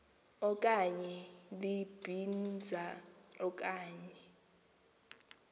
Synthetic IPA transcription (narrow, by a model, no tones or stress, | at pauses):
ɔkʼaɲɛlib̥ʱind͡zʱaɔk̬ʼaːɲɛ